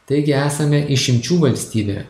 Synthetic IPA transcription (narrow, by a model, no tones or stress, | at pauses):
t̪ɐɪɡʲɪæːsɐmʲɛʔɪʃʲɪmʲt͡ʃʲuːʋɐlʲsʲt̪ʲiːbʲḛː